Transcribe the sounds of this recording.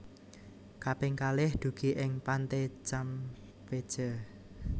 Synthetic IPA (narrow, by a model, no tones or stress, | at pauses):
kapɪŋkalɪhd̪̥ṳɡ̥iʔɪŋpant̪et͡ʃam | ped̥ʒ̥ə